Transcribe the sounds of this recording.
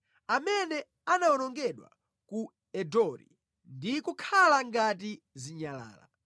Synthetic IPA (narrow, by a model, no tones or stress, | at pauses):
amɛnɛ | anawɔnɔŋɡɛɗwa̰ | ku | ɛdɔɾḭ | ndikukʰalaŋɡat̬i | ziɲala̰ːla̰